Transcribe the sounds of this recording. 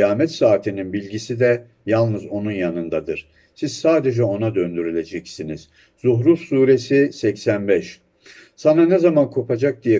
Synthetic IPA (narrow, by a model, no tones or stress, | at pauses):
jaːmɛt̪saːt̪ʰininbilʲɟisid̪ɛ | jalˠnɯzo̞nunjanɯnd̪ad̪ɯɾ̥ | siz̥saːd̪e̞d͡ʒɛo̞nad̪ønd̪yɾylʲe̞d͡ʒɛcsiniz̥ | z̥uɦɾufsuːɾe̞sisɛcsænbɛʃ | sananɛzamankʰo̞pʰad͡ʒak̚d̪ijɛ